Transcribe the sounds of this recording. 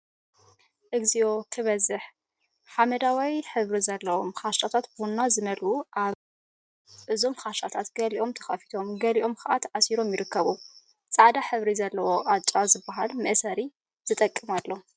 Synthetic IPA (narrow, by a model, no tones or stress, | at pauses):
ʔɨɡzio̞k̪ʰɨβɐzɨħ | ħamɐd̪awijħɨβɾizɐlːɐwo̞mxaʃt͡ʃʼat̪ʰat̪bunːazɨmɐluʔa | ʔɨzo̞mxaʃt͡ʃʼat̪ʰat̪ɡ̥ɐliʔo̞mt̪ʰɐ̥xɐfi̥t̪ʰo̞mɡɐliʔo̞mkʰaʔat̪ʰʕasiɾo̞mjɪɾɨkːɐβu | t͡sʼaʕd̪aħɨβɾizɐlːɐwo̞ʔat͡ʃʼazɨbːaɦalmɐʔsɐɾi | z̥ɨt̪ʼɐkʼːɨmalːo̞